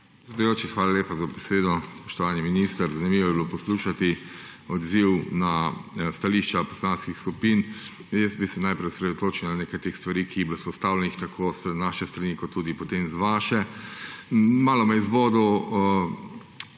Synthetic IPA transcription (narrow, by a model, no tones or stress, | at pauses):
zbɛjoːt͡ʃixʋaːlaleːpazabɛseːd̪ɔspɔ̥ʃt̪ɔʋaːniminist̪əɾzanimiːʋɔɛbilopɔsluːʃat̪i | ɔd̪ziwnast̪aliːʃt͡ʃapɔ̥slaːnskixskupin | jɛsbisɛnajpɾɛjsɾed̪ot̪oːt͡ʃiwnaneːkajt̪eːxst̪ʋaɾiːkiːblospɔst̪aːwlɛnixt̪akʰost̪naʃɛst̪ɾanikɔt̪ːuːd̪ipɔt̪eːmzʋaʃɛ | maːlɔmɛizboːd̪ɔ